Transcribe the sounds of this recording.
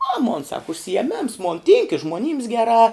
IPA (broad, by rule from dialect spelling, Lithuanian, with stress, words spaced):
ɐ moːn sɐk ʊʃʲsʲɪjɛˈmʲeːms moːn tʲiːŋk ɪ ʒmoːˈnʲiːms ɡʲɛˈrɑː